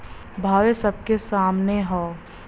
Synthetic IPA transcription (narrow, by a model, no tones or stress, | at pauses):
bʱaːʋesɐb̚kesaːmneɦɔː